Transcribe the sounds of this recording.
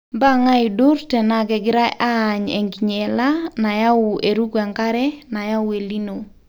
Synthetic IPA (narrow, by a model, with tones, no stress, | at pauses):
mba˦˨ŋa˦ɪ˨du˦ɾtɛ˨na˨ɡɛ˨ɡɪ˦ɾa˦ʔaː˦˨ɲḛ˨ŋɡi˨ɲe˨la˦na˨ja˦ʊ˨e˨ɾu˦kwɛ˨ŋka˦ɾɛ˦na˨ja˦we˨li˦no˨